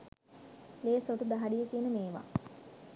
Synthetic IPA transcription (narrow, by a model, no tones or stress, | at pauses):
leːsoʈud̪aɦaɖijəkiənəmeːʋa̰